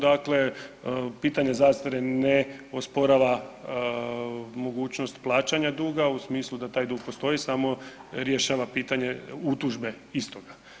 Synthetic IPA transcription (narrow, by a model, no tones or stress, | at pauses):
d̪akle̞ | piːt̪aɲezaːst̪aɾeneospoɾaʋa | mo̞ɡuːt͡ɕno̞st̪plˠaːt͡ʃaɲad̪uːɡausmiːslˠud̪at̪aːjd̪uːɡ̚post̪o̞isamo̞ɾjeʃaːʋapiːt̪aɲe̞ut̪uʒbe̞ | ist̪oɡa